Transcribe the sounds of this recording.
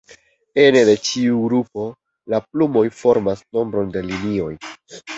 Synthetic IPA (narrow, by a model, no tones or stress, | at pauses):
e̞nede̞t͡ʃiuɡɾupo̞ | laplumo̞jfo̞ɾmasno̞mbɾo̞nde̞linio̞j